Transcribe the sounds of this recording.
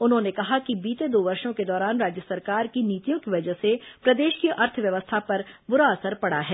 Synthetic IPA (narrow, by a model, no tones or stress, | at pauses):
ʊnɦõnekɐɦakibiːt̪ed̪oːʋɐɾʃõked̪ɔːɾaːnɾaːd͡ʒjəsɐɾkaːɾkiniːt̪ijõkiʋɐd͡ʒəsepɾɐd̪eːʃkiʔɐɾt̪ʰʋjɐʋəst̪ʰapɐɾbʊɾaɐsəɾpɐɽaɦɛː